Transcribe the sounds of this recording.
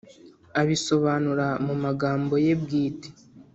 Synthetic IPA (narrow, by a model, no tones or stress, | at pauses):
aβiso̞βaːnuɾamumaɡaːmbo̞je̞bɡiːte̥